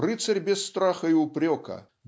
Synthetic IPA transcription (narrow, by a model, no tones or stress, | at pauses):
rɨt̪sɐɾʲbʲɛsːt̪ɾaxɐiʊpɾʲɔkɐ̰